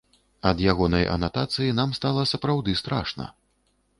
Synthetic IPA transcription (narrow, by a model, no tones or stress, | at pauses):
ɐd̪jaɣɔnɐjʔɐ̰nat̪at̪sɨjinamst̪alˠɐsɐpɾawd̪ɨst̪ɾa̰ʂnɐ̰